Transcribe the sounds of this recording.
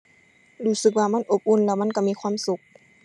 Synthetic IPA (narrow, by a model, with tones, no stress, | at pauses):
ɾuː˧˩sɯ˨˧˦k̚waː˧˩ma˧˥˨nʔo˨˦p̚ʔu˧˥˨nlɛː˧˩wma˧˥˨nka˧˩miː˧˥˨kʰwaː˧˥˨msu˧˦k̚